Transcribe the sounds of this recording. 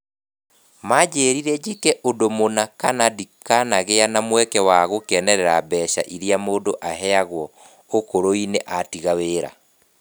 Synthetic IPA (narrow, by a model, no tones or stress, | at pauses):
mad͡ʑeːɾiɾɛd͡ʑikɛʔodomonakanadikanaɣeanamwɛkɛwaɣokɛnɛɾɛɾabɛʃa̰ʔiɾiamoːdoʔaɦɛaɣwɔ | okoɾoineʔatiɣaweːɾa̰